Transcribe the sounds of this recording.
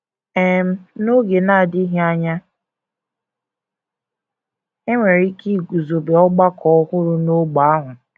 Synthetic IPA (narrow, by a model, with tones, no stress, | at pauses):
ɛ˦m̩˦no˦ɡe˨na˦a˨di˦ɦa˦ɲa˦ | e˦ŋʷe˨ɾi˦ki˦˨ɡu˨zo˨be˨ɔ˦ɡ͡ba˦kʰɔ˨ɔ˦hʊ˦ɾʊ˨no˦ɡ͡ba˨a˦ɦʷʊ˨